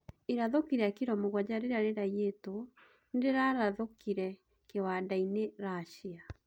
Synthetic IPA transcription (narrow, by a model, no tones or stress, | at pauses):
eɾaðokiɾɛakiɾɔmoɣwad͡ʑaɾeɾaɾeɾajeto | ndeɾaɾaðokiɾɛ | kewadaineɾaɕia